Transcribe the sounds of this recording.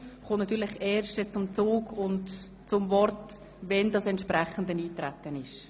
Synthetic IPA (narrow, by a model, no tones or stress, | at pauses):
χoːnɑt̪yːlɪχɛːɾʃtɛt͡sʊmt͡suːɡʊnt | t͡sʊmvɔrt | vɛndɑsɛntʃpɾɛχən̩dəniːtɾɛtːənɪʃ